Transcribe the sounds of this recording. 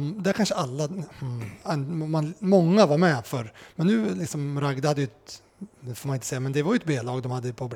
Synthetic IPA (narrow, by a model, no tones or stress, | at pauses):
md̪æɾkʰanʂəalːa | ɛnmanmɔŋːavaɾmɛfœɾmɛnːʉ̟ːlɪksɔmɾaɡd̪ahad̪ːəjʉt̪ | foɾmanɪnt̪sɛjːamɛnd̪ɛvaɾjʉɛt̪̚beːlɑːɡd̪ɔmhad̪ːəjpʰɔbl